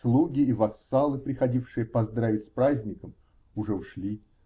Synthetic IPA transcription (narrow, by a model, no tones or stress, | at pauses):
slˠuɡʲɪːvɐsːɑlˠɨpɾʲɪxɐdʲifʂɨjəpɐzd̪ɾavʲɪtʲspɾazʲnʲɪkəm | ʊʐɛʊʂlʲi